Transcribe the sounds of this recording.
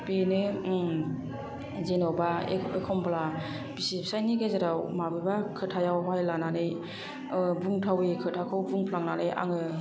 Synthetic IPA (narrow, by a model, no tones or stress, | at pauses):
penɯ | zenɔbaḛekʰɔmbla | bisipsajniɡezaɾawmabɯjbakʰɯtʰajawɦajlananɯj | buŋtʰawikʰɯtʰakʰɯwbuŋpʰlaŋnanɯja̰ŋɯ